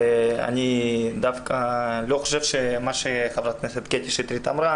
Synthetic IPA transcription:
ea̰nid̪afkaloχoʃevʃemaʃeχavɾat̪̚neset̪ket̪eʃit̪ɾit̪amɾa

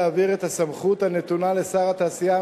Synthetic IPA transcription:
aːviʁe̞t̪asamχut̪hane̞t̪unale̞saʁat̪aːsija

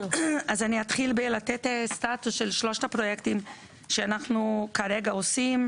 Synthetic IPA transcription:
azaniat̪χilbelat̪etest̪at̪usʃelʃlo̞ʃtapɾo̞jekt̪im | ʃeanaχnukaɾeɡaosim

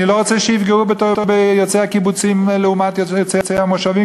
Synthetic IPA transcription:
niloʁot͡sɛʃejifɡeʁubet̪otobejot͡sehakibut͡simleumat̪jot͡set͡sehamoʃavi

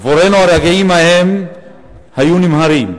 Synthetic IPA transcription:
voɾenoaɾaɡeimaɦem | hajunimɦaɾi

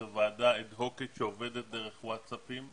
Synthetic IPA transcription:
avaːd̪aed̪ɦo̞kit̪ʃeoved̪et̪̚d̪eʁeχwatsapim

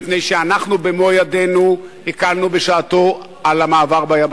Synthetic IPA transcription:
pnejʃeanaχnubemojad̪enuhikalnubeʃaːt̪o̞ | alamaːvaʁbajab

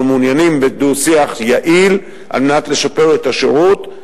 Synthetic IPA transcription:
meunjanimbedusiaχjaʔil | ʔa̰lmenat̪le̞ʃape̞ʁetaʃeʁut

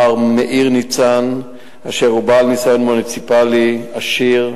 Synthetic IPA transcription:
aʁmeʔiʁnit͡san | aʃeʁubalmisajonmunit͡sipaliaʃiʁ

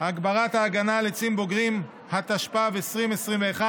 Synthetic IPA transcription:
aɡbaʁat̪haːɡanalet͡simbo̞ɡʁim | hat̪aʃpaveesʁimesʁimveːχa

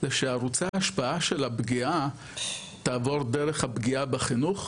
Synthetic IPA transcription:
zeʃeaʁut͡saaʃpaaʃe̞labɡia | t̪aːvo̞ʁdeʁeχhabɡiabeχinuχ

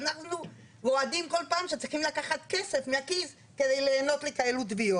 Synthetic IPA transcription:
anaχnu | vo̞ad̪imko̞lpaːmʃet͡sʁiχimlakaχat̪ke̞sefmeakiz | ked̪ejleːno̞t̪lekajelut̪̬vio

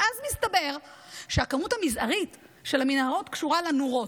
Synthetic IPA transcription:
ʔazmistabe̞ʁʃeakamuthamizaʁit | ʃe̞laminhaʁo̞tkʃuʁalanuʁo̞t

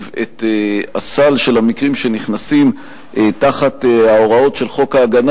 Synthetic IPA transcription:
vetea̰salʃe̞lhamikʁimʃe̞niχnasim | ʔtaχateao̞ʁao̞tʃe̞lχo̞kaːɡan

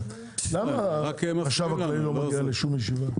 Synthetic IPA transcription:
lamakʃavaklailomaɡialeʃumjeʃiva

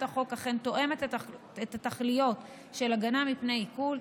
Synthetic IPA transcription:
taχo̞kaχe̞nt̪o̞ʔe̞met̪ | et̪at̪aχlijo̞t | ʃe̞laɡanamipnejikul

